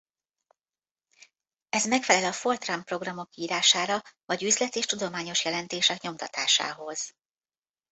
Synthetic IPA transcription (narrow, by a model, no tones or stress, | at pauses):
ɛzmɛkfɛlɛlɒfo̞lt̪rampro̞ɡrɒmo̞kːiiːɾaːʃaːɾɒvɒɟyzlɛt̪eːʃt̪ud̪o̞maːɲo̞ʃjɛlɛnt̪eːʃɛkɲo̞mt̪ɒt̪aːʃa̰ːɦo̞z̥